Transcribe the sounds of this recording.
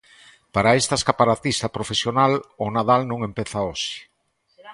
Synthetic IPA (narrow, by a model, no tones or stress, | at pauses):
paɾaest̪ɐeskapaɾat̪ist̪ɐpɾofesjonalonaðalnõŋempeθaoʃɪ̥